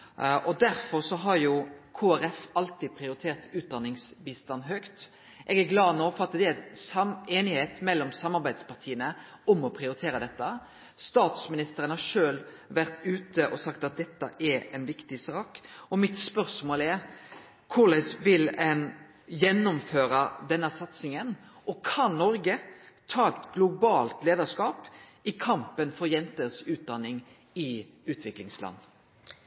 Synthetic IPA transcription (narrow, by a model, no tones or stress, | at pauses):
ʔɔd̪æɾfɔɾsɔɦɑɾjʊkʰoːæɾɛfɑlt̪iːd̪̚pʰɾɪʊɾɪt̪ʰeːɾt̪ʉːt̪̚d̪ɑnːɪŋsbiːst̪ɑnːɦœkt̪ | ʔɛɡæɾɡlɑːnoːfɔɾɑt̪ːd̪ɛæsɑmeːnɪheːt̪mɛlːɔmsɑmːɑɾbæɪd̪spɑɾt̪ʰiːənə | ɔmɔpʰɾɪʊɾɪt̪ʰeːɾəd̪ɛt̪ːə | st̪ɑːt̪smɪnɪst̪əɾənhɑʂøːl | ʋæɾt̪ʉːt̪əʔɔsɑkt̪ɑt̪̚d̪ɛt̪ːəʔɛɾɛnʋɪkt̪ɪsɑːkɔmɪt̪spœɾsmoːlɛɾ | kʰʊɾlɛsʋɪlɛn | jɛnːʊmføːɾəd̪ɛnːəsɑt̪sɪŋən | ɔkʰɑnnɔɾɡə | t̪ʰɑːɛt̪ɡlʊbɑːlt̪leːd̪əskɑːpɪkʰɑmpənfɔɾjɛnt̪əsʉːt̪̚d̪ɑnːɪŋ | ɪ | ʉːt̪ʰʋɪklɪŋslʔɑ̰nː